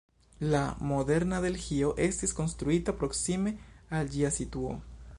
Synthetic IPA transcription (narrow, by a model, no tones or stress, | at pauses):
lamoðe̞ɾnaðe̞lxioʔest̪esko̞nst̪ɾuit̪apɾoksimeald͡ʒiasit̪wo̰